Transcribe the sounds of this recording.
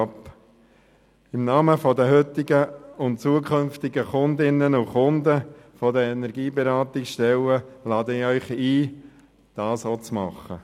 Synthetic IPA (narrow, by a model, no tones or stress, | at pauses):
p | ɪmnɑːməfɔdəɦʏt̪ɪɡəʊnt͡suəkʰʏnft̪ɪɡəχʊnd̪ɪnːənʊχʊndəfɔdəɛnɛɾɡiːbeɾɑːt̪ɪksʃtɛləlɑːdəɪœʏχiː | d̥ɑːsoːt͡smɑ̰χə